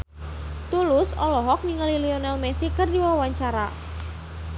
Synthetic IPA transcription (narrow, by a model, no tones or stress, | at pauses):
t̪ulʊsɔlɔɦɔk̚niŋalilionalmɛsikərdiwawaɲt͡ʃaɾa̰